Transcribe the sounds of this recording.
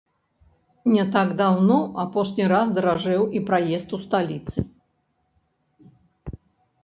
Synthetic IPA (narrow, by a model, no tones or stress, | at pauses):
nʲɛt̪aɡd̪awnɔapɔʂnʲiɾazd̪ɐɾaʐɛwipɾajɛst̪ust̪alʲit̪sɨ